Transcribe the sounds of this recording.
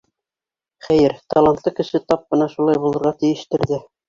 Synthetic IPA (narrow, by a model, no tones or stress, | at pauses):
χæjɘɾt̪ɑlˠant̪lˠɤkɘ̆ʃɘt̪ɑp̚bɤ̆nɑʃulˠɑjbulˠɤ̆ɾʁɑt̪ɘ̆jɘ̆ʃt̪ɘ̆ɾðɘ